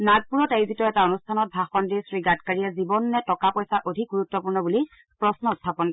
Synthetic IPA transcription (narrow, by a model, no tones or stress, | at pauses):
naɡ̚puɹɔtejzitɔɛtaonustʰanɔt̚bʱaxɔndisɹiɡatkaɹijɛzibɔnːɛtɔkapɔjsaʔodʱik̚ɡuɹutːɔpuɹnɔbuli | pɹɔsnɔuttʰːapɔnkɔ